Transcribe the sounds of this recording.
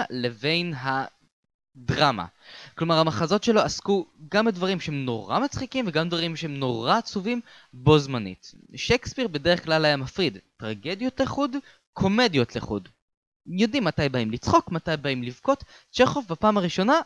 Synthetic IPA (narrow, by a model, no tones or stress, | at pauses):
leve̞jnɦa | d̪ʁama̰klomaʁamaχazo̞tʃe̞lo̞askuɡambedvaʁimʃehemno̞̰ʁamat͡sχikimveɡamdvaʁimʃehemno̞ʁat͡suvim | bo̞zmanḭtʃekspiʁbedeʁeχklalajamafʁid̪tʁaɡe̞d̪jo̞tleχud | kʰo̞me̞djo̞tleχṵd | jo̞d̪imːatajbaimlit͡sχo̞kmatajbaimlivko̞t | t͡ʃeχofbapaːmaʁiʃo̞na